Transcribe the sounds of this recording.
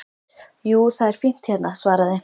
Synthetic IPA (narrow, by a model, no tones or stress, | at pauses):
juːθaðɛɾ̥fin̥t̪çɛt̪nasvaːɾaðɪ